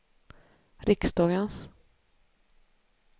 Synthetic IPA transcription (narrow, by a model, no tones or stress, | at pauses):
ɾɪksd̪ɑːɡəns